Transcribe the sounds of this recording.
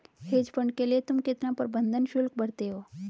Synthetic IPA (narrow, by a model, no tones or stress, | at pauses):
heːd͡ʒpəɳɖkeliet̪ʊmkɪt̪nãpəɾbə̃nd̪ʱənʃʊlkbəɽt̪eɦo